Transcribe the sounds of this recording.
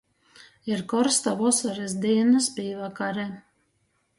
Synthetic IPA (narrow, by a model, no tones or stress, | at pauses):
iɾkɔɾst̪avɔsɔɾɛsd̪iːnaspiːvakaɾɛ